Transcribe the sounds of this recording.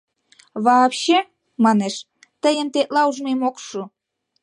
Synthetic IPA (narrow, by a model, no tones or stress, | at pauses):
βɑpɕe | mɑneʃ | t̪əjə̆nt̪eʔ̪lɑuʒmemokʃu